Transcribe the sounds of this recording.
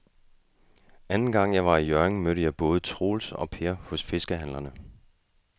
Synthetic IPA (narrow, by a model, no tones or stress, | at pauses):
ænn̩ɡ̥ɑ̈ŋ̰jɑ̈ɪʋɑ̈ijœɐeŋmøɾəjɑ̈ɪb̥ɔ̽ːð̩ˠət͡sʰʁo̝̰ːlsɒ̽pʰe̝ɐhɔ̽sfe̝sɡ̥əɦænlɐnə